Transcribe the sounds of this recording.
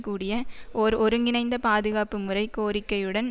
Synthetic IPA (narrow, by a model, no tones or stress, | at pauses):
kːuːɽɪjɐʔɔɾɔɾɯŋɡɪnɐɪnd̪ɐpaːðɯɣaːpːɯmɯrɐɪkoːɾɪkːɐjɯɽɐn